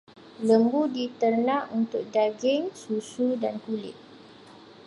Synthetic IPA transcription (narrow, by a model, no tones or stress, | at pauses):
ləmbudit̪ərnãʔunt̪ʊk̚daɡɪŋsusudankulɪ̰ʔ